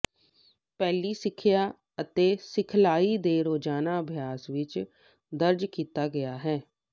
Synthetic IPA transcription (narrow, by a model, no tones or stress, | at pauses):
pɛːliːsɪkʰːjaː | ət̪eːsɪkʰlaːiːd̪eːɾoːd͡ʒaːnaːəbʱjaːsʋɪt͡ʃ | d̪əɾd͡ʒkiːt̪aːɡəjaːɦɛː